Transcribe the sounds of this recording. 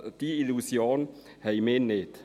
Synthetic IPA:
d̥iilusjoːn | hɛmenet̪

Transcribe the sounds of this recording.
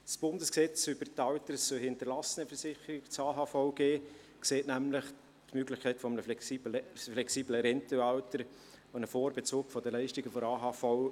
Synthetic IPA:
sb̥ʊndəsksɛt͡syb̥əɾtɑwtəɾsœhɪntəɾlɑsənəfəɾsɪχəɾɪɡt͡sɑːɦɑːfɔʊɡ̥eː | kseːtnæmlɪχ | tmøɡlɪχkʰɛɪtfɔmənə | flɛksiːbləɾɛntəɑʊtəɾ | onəfoːɾbɛt͡suːkfɔd̥əlæɪʃtɪɡəfɔɾɑːɦɑːfɔʊ

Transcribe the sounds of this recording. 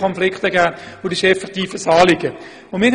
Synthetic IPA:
ɔnflɪkχtəɡæːʋodiʃɛfɛʁtiːfəsɑːlɪɡə | ʊmɪː

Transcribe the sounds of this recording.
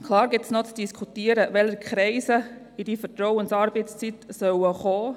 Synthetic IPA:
kʰlɑːɾɡɪtsnot͡sd̥iskʰutiəɾəʋɛləɾkʰχɾɛɪsə | idifətɾɔwənsɑːɾbɛɪst͡sitsœwəχɔː

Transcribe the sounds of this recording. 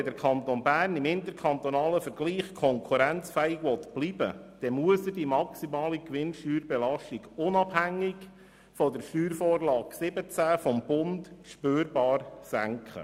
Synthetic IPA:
ɛd̪əɾkʰɑnt̪onbæːrnɪmɪnt̪əɾkʰɑnt̪ɔnɑːləfəɾɡ̥liːχkʰɔŋkʰuɾænt͡sfɛɪkʋɔtb̥libəd̪̥ɛmuəsədimɑksimɑːlikʋɪnʃtyːɾbɛlɑʃtiɡʊnɑb̥hæŋːɪɡ | fɔdəɾʃtyːɾfɔːrlɑːɡsɪbət͡sæfɔmb̥ʊndʃpøːɾbɑːrsæŋkχə̰

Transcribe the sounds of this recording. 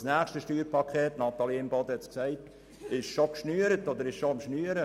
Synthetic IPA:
snæːχʃtəʃtyːɾpʰɑkʰχeːtnɑt̪ɑliɪmbɔd̪əhɛt͡sksæɪt | ɪʃʃokʃnyːəɾətɔd̪əɾɪʃʃoɑmʃnyːəɾə

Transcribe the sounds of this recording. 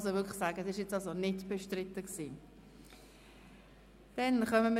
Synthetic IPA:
sovʏkʰsaːɡəsɪʃjɛt͡sɑlsonɪtb̥eʃtrɪtəksiː | d̥ɛnχœməmə

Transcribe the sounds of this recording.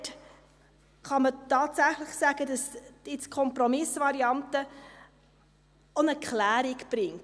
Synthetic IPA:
t | χɑmətɑːtsæχlɪχsæːɡ̥ədɑsd̥ɪt͡skʰɔmprɔmɪsvɑɾiɑntə | onəkʰlæːɾɪkb̥ɾɪŋt

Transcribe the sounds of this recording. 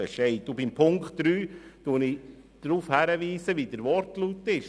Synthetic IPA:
ɛʃɛɪtubimpʰʊŋkχtd̥ɾyːtuənɪ | d̪̥ɾuːfhæɾəʋiːsəʋidəɾʋɔrtlutːɪʃ

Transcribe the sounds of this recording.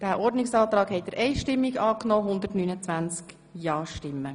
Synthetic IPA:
d̥æʔɔɾdnɪksɑːt̪ɾɑːkhɛɪtdəɾʔɛɪʃtɪmːiɡɑːknɔːɦʊnd̪əɾtnyːnət͡sʋænt͡sk | jɑːʃtɪmːə

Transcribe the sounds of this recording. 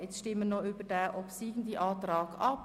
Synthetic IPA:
ɛt͡sʃtɪmːənoybədɛːʔɔpsiːɡn̩d̪iʔɑːtrɑːɡ̥ɑp

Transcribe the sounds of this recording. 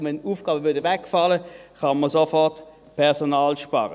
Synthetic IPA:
mɛnuːfɡ̥ɑːbəvʏɐdəvɛkfɑləkɑnməɐsofɔʁt | pʰɛʁsonɑːlʃpɑ̰ʁə

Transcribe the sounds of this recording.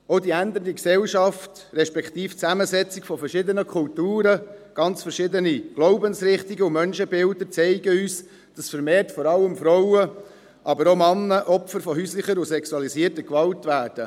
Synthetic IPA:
ɔdiænd̪əndiksɛlʃɑft | ɾɛʃpɛkt̪iːft͡sæməzɛt͡sikfɔfɛɾʃɪd̪ənəkʰʊltuːɾəɡ̥ɑnt͡sfəɾʃɪdəniɡ̥lɔʊbənsɾɪχtiɡəʊmœnʃəbɪldəɾt͡sɛɪɡəyːs | d̥ɑsfəɾmeːrtfɔɾɑlːəmfɾɔʊə | ʔɑbəɾomɑnːəʔɔpfəɾfɔɦyːslɪχəɾʊsɛksuɑlisiːəɾtəɾkʋɑltʋæːrd̥ə

